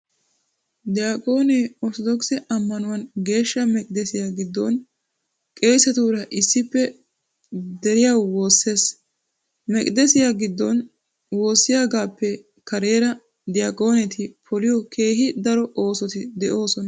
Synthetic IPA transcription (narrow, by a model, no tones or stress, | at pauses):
d̪ɪjaːkʼo̞ːneɔɾt̪ɔd̪ɔksɛʔɐmːɐnʊwɐnɡe̞ːʃːɐmɛkʼd̪ɛsɪjaːɡɪd̪ːɔn | kʼe̞ːsɛt̪uːɾɐʔɪsːɪpːɛ | d̪ɛɾɪjawwoːsːe̞ːs | mɛkʼd̪ɛsɪjaːɡɪd̪ːɔn | wo̞ːsːɪjaːɡaːpːɛ | kɐɾe̞ːɾɐ | d̪ɪjaːkʼo̞ːnɛt̪ɪpʰɔlɪjɔkʰe̞ːɦɪd̪ɐɾɔʔo̞ːsɔt̪ɪd̪ɛʔo̞ːsɔnɐ